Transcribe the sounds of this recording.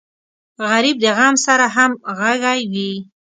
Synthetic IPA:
ɣaɾib̚d̪əɣɑmsaɾaɦamɣaɡajwi

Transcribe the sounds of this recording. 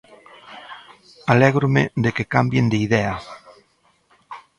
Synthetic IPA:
alɛɣɾomed̪ekekambjend̪eiðɛa

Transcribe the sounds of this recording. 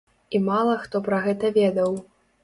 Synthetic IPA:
imalˠɐxt̪ɔpɾɐɣɛt̪ɐvʲɛd̪ɐw

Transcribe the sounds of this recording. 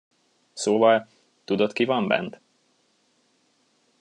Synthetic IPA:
soːvɒl | t̪ud̪ot̪kivɒmbɛ̰nt̪

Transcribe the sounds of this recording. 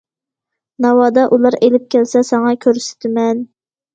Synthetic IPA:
nɑwɑːd̪ɑʔulˠɑɾelɪp̚kʲʰɛlsɛsɑŋɑkʲʰøɾsɪ̥t̪ʰɪmɛn

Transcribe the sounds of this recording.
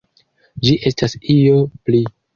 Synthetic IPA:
d͡ʒiʔe̞stasio̞pli

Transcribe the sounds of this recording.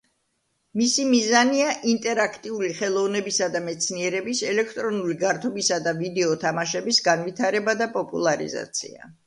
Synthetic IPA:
misimizaniaʔint̪ʼɛɾakʰt̪ʼiuliχɛlˠɔvnɛbisad̪amɛt̪sʰniɛɾɛbisɛlɛk̚ʰt̪ʼɾɔnuliɡaɾt̪ʰɔbisad̪avid̪ɛɔt̪ʰamaʃɛbisɡanvit̪ʰaɾɛbad̪apʼɔpʼṵlˠaɾḭza̰t̪sʰḭa̰

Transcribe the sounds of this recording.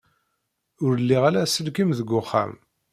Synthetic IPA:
ʊɾəlːiʁalæsəlkimðəɡʷːʊχːa̰m

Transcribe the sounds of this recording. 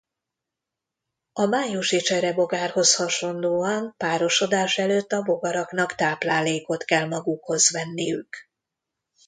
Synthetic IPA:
ɒmaːjuʃit͡ʃɛɾɛbo̞ɡaːrho̞shɒʃo̞nd̪oːɒnpaːɾo̞ʃo̞d̪aːʃɛløːt̪ːɒbo̞ɡɒɾɒkn̪ɒkt̪aːplaːleːko̞t̪kɛlmɒɡukho̞zʋɛnːijyk

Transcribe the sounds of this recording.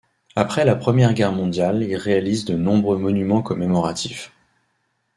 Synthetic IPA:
apχɛlapχəmjɛʁɡʲɛʁmɔ̃d̪jalilʁealizd̪ənɔ̃bʁømɔnymɑ̃kɔmemɔʁat̪ʰif

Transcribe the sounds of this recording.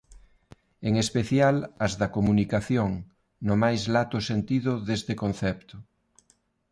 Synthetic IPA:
eŋespeθjalɐzðɐkomunikaθjoŋ | nʊmajzlat̪ʊsent̪iðʊðest̪ekon̟θɛpt̪ʊ

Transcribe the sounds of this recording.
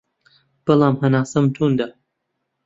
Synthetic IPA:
b̥ɐlˠaːmhɐnaːsɐmt̪ʰuːnd̪a

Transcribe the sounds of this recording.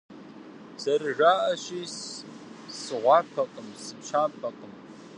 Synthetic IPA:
sarʒaʔaʃis | sʁʷɑpʷʰaqʼəmsɨpʃʰapʰaqʼəm

